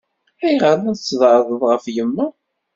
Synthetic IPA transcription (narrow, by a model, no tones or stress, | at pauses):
æjʁəɾænsːəðˤʕðˤəðˤʁəfjəmːæ